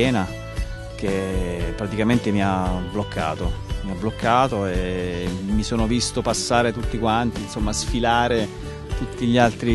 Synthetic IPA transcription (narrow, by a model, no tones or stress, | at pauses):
ɛːna | k̟epːɾat̪ikament̪emiablokʰːa̰ːt̪omiabːlokːaːt̪oe | misoːnovist̪opasːaːɾet̪ut̪ːikwant̪insomːasfilaːɾe | t̪ut̪ːiʎalt̪ɾi